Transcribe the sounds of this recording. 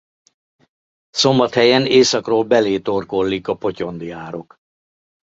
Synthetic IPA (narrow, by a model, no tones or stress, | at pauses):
so̞mbɒt̪hɛjɛneːsɒkroːlbɛleːt̪o̞rko̞lːikɒpo̞co̞nd̪iaːɾo̞k